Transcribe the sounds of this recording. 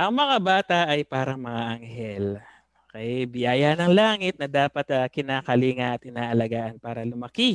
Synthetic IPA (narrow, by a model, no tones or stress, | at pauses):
ʔɐŋmɐŋabaːt̪ɐʔɐjpaːɾɐŋmɐŋaʔɐŋhɛl | ʔoːkɛbɪjaːjanɐŋlaːŋɪt̪̚nɐd̪aːpɐt̪ɐkɪnaːkɐliːŋɐʔɐt̪ʔɪnaːʔɐlɐɡaːʔɐnpaːɾɐlʊmɐki